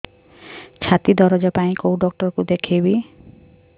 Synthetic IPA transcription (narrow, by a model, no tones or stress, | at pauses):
t͡ʃʰat̪id̪ɔɾɔd͡ʒɔpaĩkowɖɔk̚ʈɔɾkud̪ekʰibi